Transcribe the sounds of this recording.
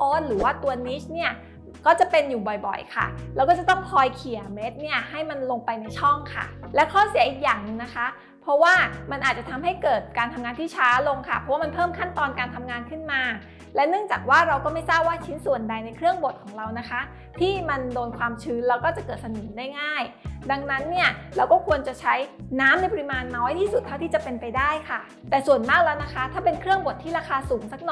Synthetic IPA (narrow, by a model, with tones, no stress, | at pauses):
ʔɔː˦˥nɾɯː˩˦waː˥˩t̪u˧ɐniː˦˥t͡ɕni˥˩ɐ | kɔː˥˩t͡ɕa˨˩pe˧njuː˨˩bɔ˨˩jbɔ̰˨˩jkʰa̰˥˩lɛ˦˥wkɔː˥˩t͡ɕa˨˩t̪ɔ˥˩ŋkʰɔː˧jkʰi˨˩ɐ˦me˦˥t̪̚ni˥˩ɐɦa˥˩jma˧nlo˧ŋpa˧jna˧jt͡ɕʰɔ˥˩ŋkʰa̰˥˩lɛ˦˥wkʰɔː˥˩si˨˩˦ɐʔi˨˩k̚jaː˨˩ŋnɯ˧ŋna˦˥kʰa˦˥ | pʰɾɔ˦˥waː˥˩ma˧nʔaː˨˩t̪̚t͡ɕa˨˩t̪ʰa˧mɦa˥˩jkɤː˨˩t̪̚kaː˧nt̪ʰa˧mŋaː˧nt̪ʰiː˥˩t͡ɕʰaː˦˥lo˧ŋkʰa˥˩pʰɔ˦waː˥˩ma˧npʰɤː˥˩mkʰa˥˩nt̪ɔː˧nkaː˧nt̪ʰa˧mŋaː˧nkʰɯ˥˩nmaː˧ | lɛ˦˥wnɯ˥˩əŋt͡ɕaː˨˩k̚waː˥˩ɾa˧wkɔː˥˩ma˥˩jsaː˥˩p̚waː˥˩t͡ɕʰi˦˥nsu˨˩ənda˧jna˧jkʰɾɯ˥˩əŋbo˨˩t̪̚kʰɔː˩˦ŋɾa˧wna˦˥kʰa˦˥ | t̪ʰiː˥˩ma˧ndoː˧nkʰwaː˧mt͡ɕʰɯː˦˥nlɛː˦˥wkɔː˥˩t͡ɕa˨˩kɤː˨˩t̪sa˧nɤː˩˦ndaː˥˩jŋaː˥˩j | da˧ŋna˦˥nːi˥˩ɐɾɛː˧wkɔː˥˩kʰu˧ənt͡ɕa˨˩t͡ɕʰa˦˥jnaː˦˥mna˧jp̬ɾi˦˥maː˧nːɔː˦˥jt̪ʰiː˥˩su˨˩t̪ʰːa˥˩t̪ʰiː˥˩t͡ɕa˨˩pe˧npa˧jdaː˥˩jkʰa˥˩ | t̪ɛː˨˩su˨˩ənmaː˥˩k̚lɛː˦˥wna˦˥kʰa˦˥t̪ʰaː˥˩pe˧nkʰɾɯ˥˩əŋbo˨˩t̪ʰːiː˥˩ɾaː˧kʰaː˧suː˩˦ŋsa˦˥k̚nɔ˨˩